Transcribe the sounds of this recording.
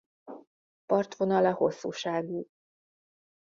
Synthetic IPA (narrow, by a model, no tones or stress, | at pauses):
pɒrt̪vo̞nɒlɒho̞sːṵːʃaːɡu